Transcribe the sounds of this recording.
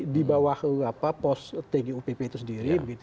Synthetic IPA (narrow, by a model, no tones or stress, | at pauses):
dibawahəapapɔst̪eɡiupepet̪usəndiɾibəɡit̪